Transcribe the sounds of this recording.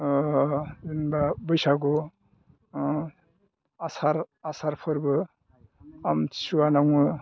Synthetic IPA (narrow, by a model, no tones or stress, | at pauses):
inbabʌjsaɡo | asaɾasaɾpʰɯɾbɯ | ami̥suwanawɯ